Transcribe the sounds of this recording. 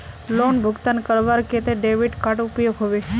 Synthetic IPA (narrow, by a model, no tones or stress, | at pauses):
lonbʱʊɡt̪ankəɾʋaɾket̪eɖeʋiɖkaʈʊpjoɡɦoʋe